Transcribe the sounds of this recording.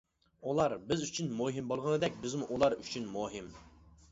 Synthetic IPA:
ulˠɑɾbɪzyt͡ʃʰynmuɦimbolˠʁənɨd̪ɛkʲbɪzmuʔulˠɑɾyt͡ʃʰynmuɦɪm

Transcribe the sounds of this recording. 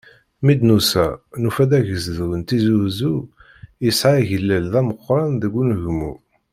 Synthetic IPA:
mid̪nusænufæd̪æʝəzðwənt̪izuzu | jəsʕaʝəlːælðæməqːɾˤɑnðəɡʷːunʝmṵ

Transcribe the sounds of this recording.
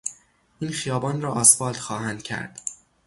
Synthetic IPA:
ʔiːnxijɒːbɒːnɾɒːʔɒːsbɒːld̪̥xɒːhænd̪̥̚cʰæ̰ɾd̪̥

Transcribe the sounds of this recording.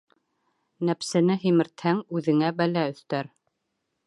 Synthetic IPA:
næpsɘ̆nɘɦimɘ̆ɾt̪hæŋʉðɘ̆ŋæbælæɵ̆θt̪æɾ

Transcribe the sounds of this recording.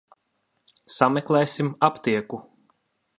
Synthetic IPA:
samɛklˠɛjsʲimapt̪iɛku

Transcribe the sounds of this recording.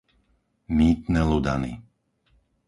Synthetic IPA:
miːt̪nɛlud̪a̰nḭ

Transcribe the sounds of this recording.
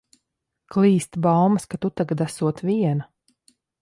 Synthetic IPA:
klˠiːst̪balˠmaskat̪ut̪aɡat̪asuɔt̪viɛna

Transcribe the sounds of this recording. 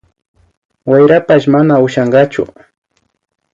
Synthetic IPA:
wajɾapaʃmanaʊʃaɴɢɑt͡ʃʊ̰

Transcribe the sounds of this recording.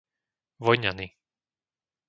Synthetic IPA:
ʋɔjɲani

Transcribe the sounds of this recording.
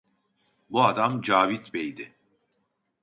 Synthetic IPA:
buad̪amd͡ʒaːvit̪bejd̪ɪ

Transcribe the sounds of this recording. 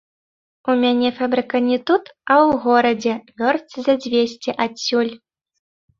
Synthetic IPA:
umʲanʲɛfabɾɨkɐnʲɛt̪ut̪ɐwɣɔɾɐd͡zʲɛvʲɔrt̪sɨzʲad͡zʲvʲesʲt͡sʲɛʔat͡sʲːulʲ

